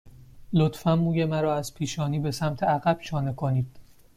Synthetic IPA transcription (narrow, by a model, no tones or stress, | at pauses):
lot̪fæmːuːjemæɾɒːæz̥pʰiːʃɒːniːbe̞sæmt̪ʰeæɣæb̥ʃɒːnekʰo̞niːd̪̥